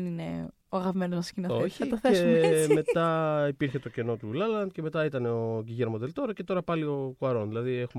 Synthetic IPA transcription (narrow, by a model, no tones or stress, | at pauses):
ninḛ | oɐɣɐvmenoscinooçiɐt̪oθeesme̞t̪ɐipiɾçe̞t̪o̞ce̞no̞t̪ulɐlɐnd̪̚ce̞me̞t̪ɐit̪ɐneoɡiʝeɾmod̪e̞lt̪o̞ɾɐce̞t̪o̞ɾɐpɐlio̞kuɐɾo̞nðilɐðiexum